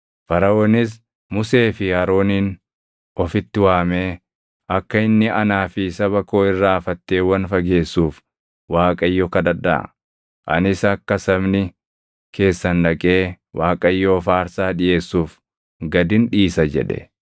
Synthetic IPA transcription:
fɐɾɐoːnɪs̬ | mʊse̞ːfɪhɐɾo̞ːniːn | ɔfɪt̪ːɪwaːme̞ː | ʔɐkːɐɪnːɪɐnaːfɪsɐβɐkoːɪrːaːfɐt̪ːe̞ːwɐnfɐɡe̞ːsːuːf | waːkʼɐjːɔːkɐd̪ɐd̪ɐ̰ɐ̰ | ʔɐ̰nɪsɐkːɐsɐmnɪ | kʰe̞ːsːɐnᶑɐkʼeː | wʔaːkʼɐjːoːfaːɾsaːᶑɪʔe̞ːsːuːf | ɡɐd̪ɪnᶑiːsɐd͡ʒɛ̰ᶑɛ̰

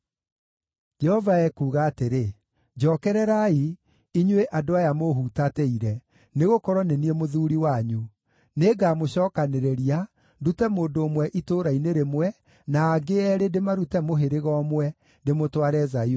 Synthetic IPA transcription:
d͡ʒɛhɔvaɛkuːɣaːteɾe | d͡ʒɔːkɛɾɛɾai | iɲweʔadoajamoɦutatɛiɾɛ | neɣokɔɾɔneniemoðuːɾiwaɲu | neːɡamoɕɔːkaneɾeɾia | ndutɛmoːndoːmwɛʔitoɾaineɾemwɛ | naːɡeɛɾedemaɾutɛmoɦeɾeɣɔmwɛ | demotwaɾɛzai

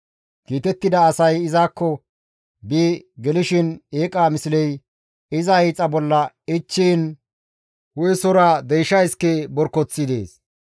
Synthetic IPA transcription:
kiːt̪ɛt̪ːɪd̪ɐːsɐjɪzaːkːɔ | biːɡɛlɪʃɪneːkʼaːmɪsɪlɛj | ɪzɐɛːt͡sʼːɐbɔlːɐ | ɪt͡ʃːiːn | hʊjɛsɔɾaːd̪ɛjʃɐjɪskɛbɔɾkːɔt͡sːɪd̪e̞ːs

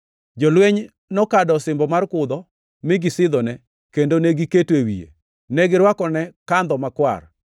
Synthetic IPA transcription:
d͡ʒɔlweɲ | nɔkadɔsɪmbɔmarkʊd̪ɔ | mɪɡɪsɪd̪ɔnɛ | kendonɛɡiketwewiḛ | nɛɡɪɾwakɔnɛkand̪ɔmakwa̰r

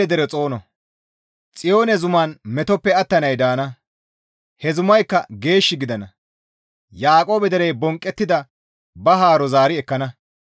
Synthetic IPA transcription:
ɛd̪ɛɾɛt͡sʼo̞ːnɔ | t͡sʼɪjo̞ːnɛzʊmaːnmɛt̪ɔpːɛɐt̪ːɐnɐjd̪aːnɐ | hɛzʊmɐjkːɐɡe̞ːʃːɪɡɪd̪ɐnɐ | jaːkʼo̞ːbɛd̪ɛɾɛjbɔŋkʼːɛt̪ːɪd̪ɐ | bɐɦaːɾɔzaːɾɪɛkːɐnɐ

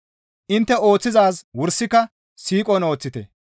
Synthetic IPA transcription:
ʔɪnt̪ːɛo̞ːt͡sːɪzaːswʊɾsːɪkːɐ | siːkʼɔno̞ːt͡sːɪt̪ɛ̰

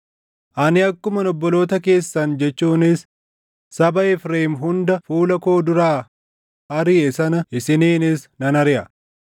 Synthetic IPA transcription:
ʔɐnɪɐkːʊmɐnɔbːɔlo̞ːt̪ɐke̞ːsːɐnd͡ʒɛt͡ʃːuːnɪs | sɐbɐɪfɾeːmɦʊnd̪ɐfuːlɐko̞ːd̪ʊɾaː | ɐɾiːɛsɐnɐʔɪsɪniːnɪsnɐnɐɾɪʔɐ

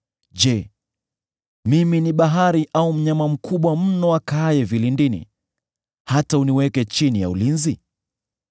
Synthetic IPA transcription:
ʄɛ | miminiɓaɦaɾiʔaum̩ɲamam̩kʰuɓwam̩nɔakajɛvilindinḭ | hatauniwɛkɛt͡ʃinija̰ulinzi

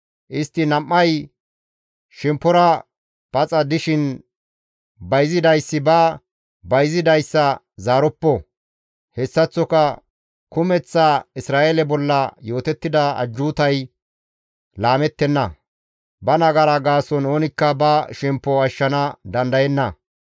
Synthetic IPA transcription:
ʔɪst̪ːɪnɐmːɐj | ʃɛmpːɔɾɐ | pɐt͡sʼɐd̪ɪʃɪn | bɐjzɪd̪ɐjsːɪbɐ | bɐjzɪd̪ɐjsːɐ | zaːɾɔpːɔ | hɛsːɐt͡sːɔkɐ | kʊmɛt͡sːaɪsɾaːʔelɛbɔlːɐjo̞ːt̪ɛt̪ːɪd̪ɐɐ̰d͡ʒːuːt̪ɐj | laːmɛt̪ːɛnːɐ | bɐnɐɡɐɾɐɡaːsɔnoːnɪkːɐbɐʃɛmpːɔɐʃːɐnɐd̪ɐnd̪ɐjɛnːɐ

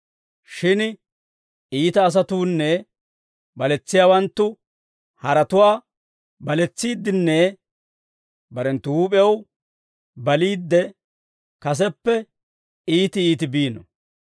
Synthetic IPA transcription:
ʃɪn | iːt̪ɐːs̬ɐt̪uːnːɛ | bɐlɛt͡sːɪjaːwɐnt̪ːʊ | hɐɾɐt̪ʊwaː | bɐlɛt͡sːiːd̪ːɪnːɛ | bɐɾɛnt̪ːʊuːp̬ʼɛɛw | bɐliːd̪ːɛ | kɐs̬ɛpːɛ | iːt̪ɪiːt̪ɪbiːnɔ̰

